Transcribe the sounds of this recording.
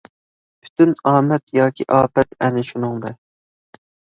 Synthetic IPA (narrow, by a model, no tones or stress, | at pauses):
pʰy̥t̪ynɑːmɛt̪jɑːkʲʰiʔɑːpɛt̪ɛnɪʃunɨŋd̪ɛ